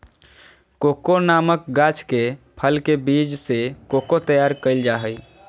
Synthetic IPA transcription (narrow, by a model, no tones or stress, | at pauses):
kokonamək̚ɡat͡ʃkepʰəlkebid͡ʒsekokot̪əjaɾkəɪld͡ʒaɦəj